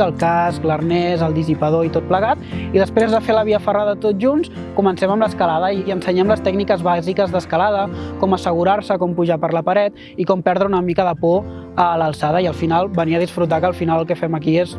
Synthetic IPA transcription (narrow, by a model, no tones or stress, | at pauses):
əlˠkasklərnɛzəlˠd̪izipəðoit̪ot̪̚pləɣat̪iðəspɾezðəfeləβiəfəraðət̪ot̪̚ʒuns | kumənsɛməmləskəlaðəiiənsəɲɛmləst̪ɛɡnikəzβazikəzðəskəlað̞əkɔməsəɣ̞uɾaɾsəkɔmpuʒapəɾləpəɾɛt̪̚ | ikɔmpɛɾðɾəunəmikəðəpɔ | ələlˠsaðəiəlˠfinalˠbəniəðisfɾut̪̬akəlˠfinaləlˠkɛfɛməkies